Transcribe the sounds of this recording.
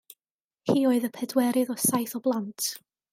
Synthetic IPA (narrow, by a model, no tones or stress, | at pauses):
hiːoɨðəpʰɛdwɛɾɨðɔsajθɔblˠantʰ